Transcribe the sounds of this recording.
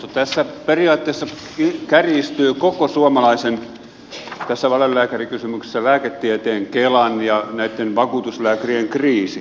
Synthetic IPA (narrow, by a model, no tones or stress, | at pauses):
t̪ot̪æsːæperiɑːt̪ːeːsːɑ | ikærist̪yːkokosuɑmɑlɑisen | t̪æsːæʋɑlelːæːkærikysymykse̥sːælæːket̪ːiæt̪eːŋkelɑnjɑnæit̪ːenʋɑkuːt̪uslæːkærieŋkriːsi